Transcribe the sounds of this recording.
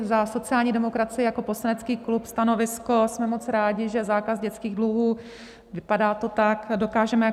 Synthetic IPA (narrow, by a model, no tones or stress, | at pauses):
zaso̞t͡sɪaːlɲiːdɛmo̞kɾat͡sɪjɛjako̞po̞slanɛt͡skiːklupst̪ano̞vɪsko̞smɛmo̞t͡sɾaːɟɪʒɛzaːkazɟɛt͡skiːɣdluɦuː | vɪpadaːt̪o̞t̪akdo̞kaːʒɛmɛja